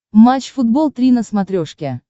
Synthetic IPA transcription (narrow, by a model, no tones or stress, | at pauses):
mat͡ɕfʊd̪̚bolˠt̪ɾʲinəsmɐt̪ɾʲoʂkʲe